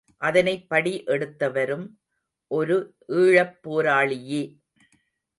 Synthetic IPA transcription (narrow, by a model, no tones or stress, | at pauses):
ʔɐðɐnɐɪpːɐɽiʔɛɽɯt̪ːɐʋɐɾɯm | ʔɔɾɯ | ʔiːɻɐpːoːɾaːɭɪjeː